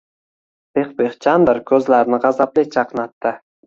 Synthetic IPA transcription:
b̥eχbeχt͡ʃʰɑnd̪əɾkʲʰɵzlæɾnɪʁɑzɑplet͡ʃʰɑqnɑt̪ːɪ

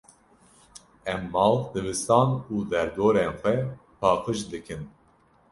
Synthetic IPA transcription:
ɛmːɑːld̪ɨvɨst̪ɑːnuːd̪ɛɾd̪oːɾeːnxʷɛpʰɑːqɨʃd̪ɨkʰɨn

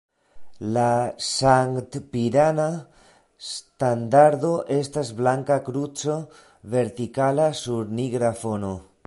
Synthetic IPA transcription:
lasaŋkt̪piɾana | st̪and̪aɾd̪o̞ʔe̞stazblaŋkakɾut͡so | ve̞ɾt̪ikalasuɾniɡɾafo̞no̞

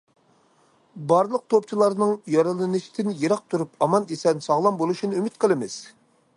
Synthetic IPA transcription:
bɑɾlˠəq̚t̪ʰop̚t͡ʃʰilˠɑɾnɨŋjɑɾɨlˠɨnɨʃi̥t̪ʰɪnjeɾɑq̚t̪ʰuɾupɑmɑnesɛnsɑʁlˠɑmbolˠuʃinɨymɪt̪̚qʰəlˠɨmɪz̥

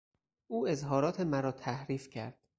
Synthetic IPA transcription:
ʔuːe̞zɦɒːɾɒːt̪ʰe̞mæɾɒːt̪ʰæhɾiːfcʰæɾd̪̥

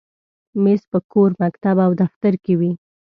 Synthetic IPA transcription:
mespəkoɾmakt̪abawd̪aft̪aɾkewi

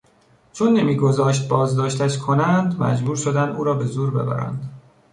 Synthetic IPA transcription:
t͡ʃʰonːemiːɡo̞zɒːʃt̪̚bɒːzd̪ɒːʃt̪ʰæʃkʰo̞nænd̪mæ̰d͡ʒbuːɾʃo̞d̪ænd̪uːɾɒːbe̞zuːɾbe̞̰bæ̰ɾæ̰nd̪̥

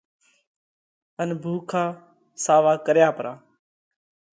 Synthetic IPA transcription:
ənbʱuːkʰãː | saːʋaːkəɾjaːpəɾaː

